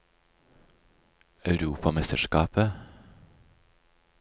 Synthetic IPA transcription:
ɑʉɾuːpʰɑmɛst̪əʃkɑːpə

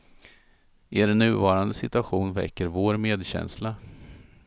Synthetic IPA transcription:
ʔeːɾnːʉ̟ːvɑːɾand̪əsɪt̪ɵaɧuːnvɛ̰kːəɾvoːɾmeːd̪ɕɛ̰nsla

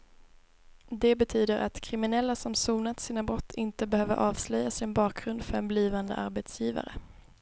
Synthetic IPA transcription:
d̪ɛbɛt̪ʰyːd̪əɾʔa̰t̪kʰɾɪmɪnɛlːasɔmsuːnat̪siːnabɾɔt̪ʰːɪnt̪əbɛhøːvəɾʔɑːvslœjːasɪnbɑːk̚ɡɾɵnd̪fœɾɛnbliːvand̪ə̰ʔaɾbɛt̪sjiːva̰ɾə̰

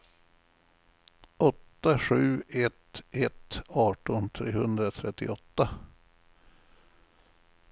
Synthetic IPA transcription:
ʔɔt̪ːaɧʉ̟ːɛt̪ʔɛt̪ɑːʈɔnt̪ʰɾeːhɵnd̪ɾat̪ʰɾɛt̪ːɪ̰ɔt̪ːa

